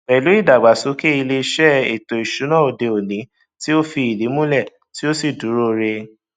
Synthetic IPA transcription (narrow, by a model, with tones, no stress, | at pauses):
ɛ˨lu˨˦i˦˨da˨ɡ͡ba˨su˨˦ke˦i˧le˧˦ʃɛ˦e˨to˨i˨ʃu˨˦nã˦˨o˨de˧o˨nĩ˨˦ | ti˦o˦fi˧i˨li˨˦mũ˦lɛ˦˨ | ti˦o˦si˦˨du˨˦ɾo˦ɾe˧